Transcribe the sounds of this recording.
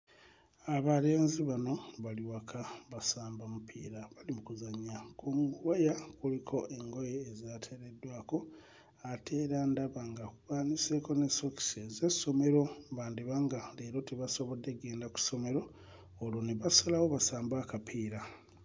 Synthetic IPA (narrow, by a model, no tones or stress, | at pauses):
aβale̞ːnziβano̞βaliwakʰaβasaːmbamupʰḭːɾaβalimukuzaɲːakomuɡuwajakulikʰo̞ʔe̞ŋɡo̞jeːzatʰe̞ɾe̞dːwaːko̞ | atʰe̞ːɾandaβaŋɡakuβaːnise̞ko̞ne̞soki̥sezeso̞me̞ɾo̞βaːndiβaŋɡaleɾo̞teβaso̞βo̞dːe̞ɡe̞ːndaku̥so̞me̞ɾo̞ː | loneβasalawo̞βasaːmbakapʰiːɾa